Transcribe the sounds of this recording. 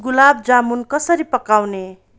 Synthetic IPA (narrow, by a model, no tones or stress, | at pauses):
ɡulab̚d͡zamunkʌsʌɾipʌkawne